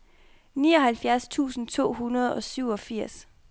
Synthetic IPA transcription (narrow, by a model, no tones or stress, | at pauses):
nḭːɒ̽ɦælfjæɐst͡sʰṵːsn̩t͡sʰo̝̰ːɦunɐð̞ˠɒ̽syʊɒ̽fiɐ̰s